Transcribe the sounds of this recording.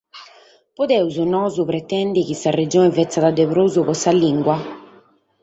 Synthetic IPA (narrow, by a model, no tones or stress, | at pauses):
pɔd̪ɛuzunɔːzupɾɛt̪ɛndikisːared͡ʒɔːnɛvɛt̪sːad̪ad̪ːɛpɾozupɔsaliŋɡwa